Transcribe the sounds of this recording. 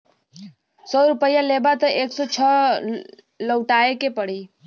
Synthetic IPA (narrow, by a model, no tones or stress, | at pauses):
sɔɾupəjalebat̪əʔeksot͡ʃʰə | ləwʈaekepəɽi